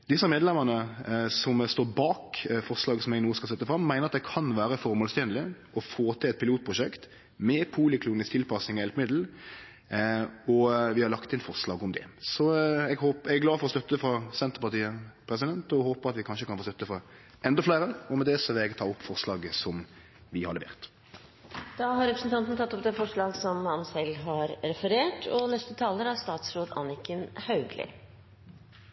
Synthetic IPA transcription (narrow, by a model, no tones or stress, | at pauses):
d̪ɪsːəmeːd̪lɛmənəsɔmst̪oːɾbɑːkfɔɾslɑːɡəsɔmɛɡnuːəskɑlsɛt̪ːəfɾɑmːæɪnəɾɑt̪̚d̪ɛkʰɑnʋæːɾəfɔɾmoːlst̪ɛːnlɪʔɔfoːt̪ʰɪlɛt̪̚pʰɪluːt̪̚pʰɾʊʂɛkt̪ | mɛpʰuːlɪkʰluːnɪskt̪ɪlpɑsnɪŋɔjɛlpəmɪd̪l̩ | ɔʋɪhɑɾlɑkt̪ɪnfɔʁslɑ̰ːɡɔmd̪ɛ̰sɔɛɡhoːpɛɡæɡlɑːfɔɾɔst̪œt̪ːəfɾɑsɛnt̪əʁpɑt̪iːəpʰɾɛsɪd̪ɛnt̪ɔhoːpəɾɑt̪ʋɪkʰɑnʃəkʰɑnfoːst̪œt̪ːəfɾɑ | ʔɛnd̪ɔflæɪɾəɔmɛd̪ɛsɔʋɪlɛɡt̪ʰɑːʊpːfɔʁslɑːɡəsɔm | ʋɪhɑɾlɛʋḛːʁt̪ | d̪̥ɑːɦɑɾɛpɾəsn̩t̪ɑnt̪nt̪ɑt̪ːɔp̚d̪ɛfɔʂɭɑːɡsɔmhɑnsɛlːɦɑɾɾɛfəɾeːʈʰɔnɛst̪ət̪ʰɑːləɾæɑst̪ɑːt̪sɾoːd̪ɑ̰nɪkənhɑʉɡlɪ̰